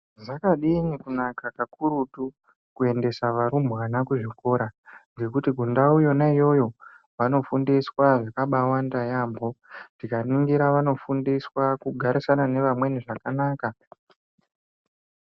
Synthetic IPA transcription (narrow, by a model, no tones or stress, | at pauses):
zakaɗiɲikunakakakuɾutu | kue̞nde̞saʋaɾumbɣanakuʐiko̞ɾaɡe̞kutiɡʱundaujo̞naijo̞jo̞ | ʋano̞fundiswaʐakaɓawandajambo̞dikaniŋɡiɾaʋano̞fundiswakuɡʱaɾisanane̞ʋamwe̞niʐakanaːka